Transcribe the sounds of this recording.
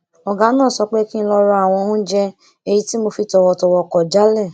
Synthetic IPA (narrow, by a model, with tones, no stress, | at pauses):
ɔ˨ɡa˨˦nãː˦˨sɔ˨˧k͡pe˦kĩ˦˧lɔ˧ɾa˧a˨w̃ɔ̃˧ũ˦d͡ʒɛ˧ | e˧ji˧ti˦mo˧fi˧tɔ˧wɔ˧tɔ˧wɔ˧˨kɔ˨d͡ʒa˨˦lɛ˦˨